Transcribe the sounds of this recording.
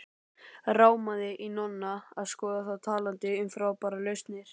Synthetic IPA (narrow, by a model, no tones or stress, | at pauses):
raːwmaðɪʔinɔnːaaðskɔːðaθawt̪ʰaːlant̪ɪʏmfɾawpaɾalœɥst̪nɪɾ̥